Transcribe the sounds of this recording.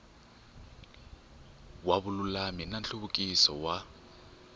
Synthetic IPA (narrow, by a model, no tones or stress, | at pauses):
waβʊlulaminant͡ɬuβukʼisɔwa